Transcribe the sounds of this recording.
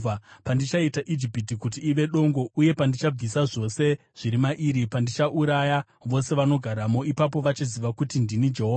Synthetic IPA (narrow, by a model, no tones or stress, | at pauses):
apandit͡ʃaitaʔid͡ʒipitikutiːʋe̞ɗo̞ŋɡo̞uje̞pandit͡ʃab͡visaʐo̞se̞ | ʐ̥iɾimaʔiːɾipandit͡ʃaʔuɾaja | ʋo̞se̞ʋano̞ɡʱaɾamo̞ipap̬o̞ʋat͡ʃiziʋakutindinid͡ʒeɦoːa